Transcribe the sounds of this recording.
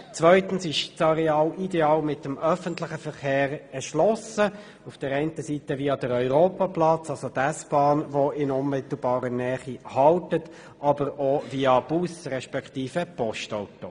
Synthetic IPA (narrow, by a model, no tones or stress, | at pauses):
t͡sʋœʏtənsɪʃt͡sɑɾɛɑːlideɑːlmɪtːəmœfənt̪lɪχəfəʁχeːɾɛʃlɔsə | ufd̥əɾɛɪntəsiːtəviːɑd̥̪əɾœʏɾoːpɑplɑt͡sɑlsod̪æsb̥ɑːnʋɔɪnʊnmɪt̪l̩bɑːɾənɛːχihɑltət | ɑbəɾoviɑb̥usɾɛʃpɛkt̪iːfəpɔʃtaʊto